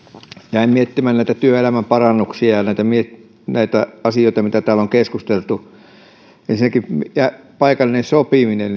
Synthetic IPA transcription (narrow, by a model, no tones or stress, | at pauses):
jæimmiet̪ːimænnæˑit̪æt̪yøelæmæmpɑrɑnːuksiɑjɑnæˑit̪æmiet | næit̪æɑsijoˑit̪ɑmit̪æt̪æːloŋkeskust̪elt̪u | ensinækimjæpɑikɑlːˑinensopiminen